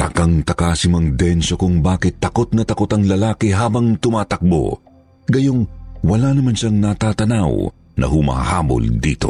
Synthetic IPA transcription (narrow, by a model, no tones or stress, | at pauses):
t̪ɐkɐŋt̪ɐkaːsɪmɐŋd̪ɛnsokʊŋbaːkɪt̪ːɐko̞t̪̚nɐt̪ɐkot̪ɐŋlɐlaːkɪɦaːbɐŋt̪ʊmaːt̪ɐk̚bo̰ | ɡɐjoŋwɐlanɐmanʃɐŋnɐt̪at̪ɐnaw | nʔɐ̰hʊma̰ha̰ːbo̰ld̪ḭːt̪o̞̰